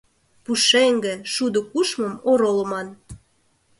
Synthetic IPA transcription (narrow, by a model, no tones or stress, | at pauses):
puʃeŋɡĕʃud̪okuʃməmoɾoləmɑn